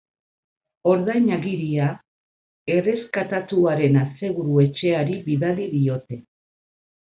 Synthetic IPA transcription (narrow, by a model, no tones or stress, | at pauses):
o̞ɾðajɲaɣiɾia | e̞re̞skat̪at̪uaɾe̞nase̞ɣ̞uɾue̞t͡ʃe̞aɾiβiðaliðio̞t̪e̞